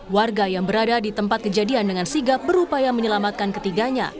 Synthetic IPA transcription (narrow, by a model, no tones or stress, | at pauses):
warɡajaŋbəɾadadit̪əmpat̪̚kəd͡ʒadiandəŋansiɡap̚bəɾupajaməɲəlamat̪̚kankət̪iɡaɲa̰